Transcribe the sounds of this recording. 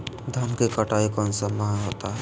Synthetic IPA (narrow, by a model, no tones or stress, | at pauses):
d̪ʱɐmkekɐʈaːikɔːnsamaɦɦoːt̪aɦɛ